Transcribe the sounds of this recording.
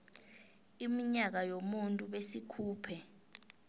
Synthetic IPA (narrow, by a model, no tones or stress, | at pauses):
imiɲak̬ajomuntʼuɓesikʰuːpʰɛ